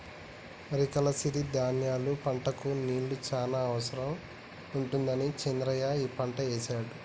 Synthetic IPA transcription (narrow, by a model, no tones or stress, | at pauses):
ɾikɐlɐsiɾid̪aːnjaːlupɐɳʈɐkuniːɭːut͡ʃaːnaːɐʋɐsɐɾɐm | uɳʈund̪ɐnit͡ʃɛnɾɐjaːiːpɐɳʈɐeːt͡ʃaːɽu